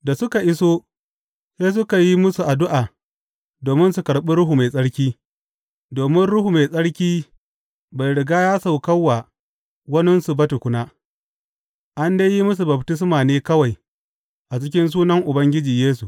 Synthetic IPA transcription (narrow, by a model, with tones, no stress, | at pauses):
da˨sʊ˦ka˨ʔɪ˦soː˦ | seː˦s̬ʊ˦ka˨ji˦mʊ˦su˨ʔa˨dʊ˦ʔaː˨ | doː˨mɪ˦nsu˨kɐ˨ɽɓi˦ɽʊ˦ɦu˨ma˨jsʼɐ˦ɽkʲiː˦ | doː˨mɪ˦nɽʊ˦hu˨ma˨sʼɐ˦ɽkʲiː˦ | ba˨jɽɪ˨ɡaː˦jaː˦sa˨wkɐ˦wːaː˨ | wɐ˦nɪ˦nsu˨bɐ˦tʊ˨kʷʊ˦naː˦ | ʔa˦ndeː˦ji˦mʊ˦s̬u˨bɐ˨btɪ˦s̬maː˨neː˦kɐ˦wa˨j | ʔa˨t͡ʃɪ˦k̬ʲɪ˦ns̬uː˦nɐ˦ŋʔʊ˨bɐ˦ŋɡʲɪ˦d͡ʒiː˨jeː˦s̬u˨ʔ